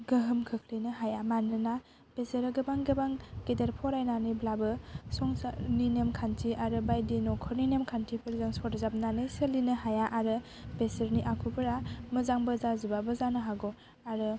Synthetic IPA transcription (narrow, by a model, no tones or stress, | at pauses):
ɡəɦɯmkʰɯkʰlinɯɦajamanːɯna | b̥esəɾɯɡɯbaŋɡebaŋɡedeɾpʰɔɾajnanɯjblabɯsɔŋsaninemkʰantʰiʔaɾɯbajdinɔkʰɔɾninemkʰantʰipʰeɾzaŋsɔtzap̚nanɯjsəlinɯhajaʔaɾɯ | besəɾniʔakʰubɯɾamɯzaŋbəzazibabɯzanɯɦaɡɔ | aɾɯ